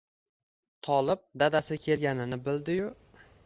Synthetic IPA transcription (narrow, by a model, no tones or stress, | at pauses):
t̪ʰɒlˠɪp̚d̪ad̪asɪkʲʰe̞lɡʲanɪnɪbɪld̪ɪjʊ